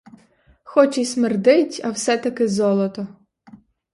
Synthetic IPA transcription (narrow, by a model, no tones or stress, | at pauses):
xɔt͡ʃismerd̪ɪtʲɐwsɛt̪ɐkɪzɔlˠɔt̪ɔ